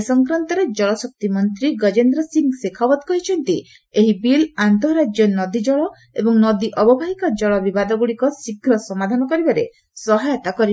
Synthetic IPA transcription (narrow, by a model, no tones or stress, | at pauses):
sɔŋkɾant̪ɔɾed͡ʒɔɭɔsɔk̚t̪imɔnt̪ɾiɡʌd͡ʒend̪ɾɔsiŋɡsekʰabɔt̪kɔɦit͡ʃʰɔnt̪i | eɦibilant̪ɔɾad͡ʒjɔnɔd̪id͡ʒɔɭɔ | ebɔŋnɔd̪iʔɔbɔbʱaɦikad͡ʒɔɭɔbibad̪ɔɡuɽikɔsikʰːɾɔsɔmad̪ʱanɔkɔɾibaɾḛ | sɔɦajɔt̪akɔɾi